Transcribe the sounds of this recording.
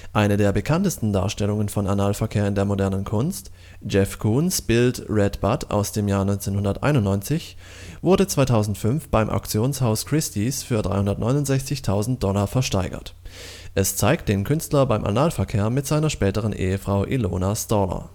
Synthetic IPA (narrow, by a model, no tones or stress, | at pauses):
ʔaɪnədeːɐbəkʰantəstn̩da̰ːɐʃtɛlʊŋənfɔnanaːlfɛɐkʰeːɐɪndeːɐmodɛɐnənkʰʊnst | d͡ʒɛfkʰuːnsb̥ɪltʁɛtb̥atʰa̰ʊsd̥eːmjaːɐnɔʏnt͡seːnhʊndɐtʔa̰ɪnʊntnɔʏnt͡sɪç | vʊɐdət͡sv̥aɪtʰaʊzn̩tfʏnfb̥aɪmʔa̰ʊkt͡sjoːnshaʊskʁ̥ɪstisfyːɐdʁaɪhʊndɐtnɔ̰ʏnʊntzɛçt͡sɪçtʰaʊzn̩t̚d̥ɔlafɛɐʃtaɪɡɐ̰t | ʔɛst͡saɪk̚t̚d̥eːnkʰʏnstlɐbaɪmʔa̰naːlfɛɐkʰeːɐmɪtz̥aɪnɐʃpɛːtəʁ̞ənʔḛːəfʁ̥aʊʔiloːnastɔlɐ̰